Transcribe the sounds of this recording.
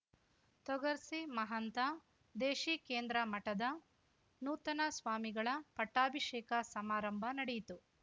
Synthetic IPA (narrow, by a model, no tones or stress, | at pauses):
t̪ɔɡɐɾsimɐɦɐnt̪ɐ | d̪eːʃiːkeːnd̪ɾɐmɐʈɐd̪ɐ | nuːt̪ɐnɐsʋaːmiɡɐɭɐpɐʈːaːbʱiʂɛːkɐsɐmaːɾɐmbʱɐnɐɽejit̪u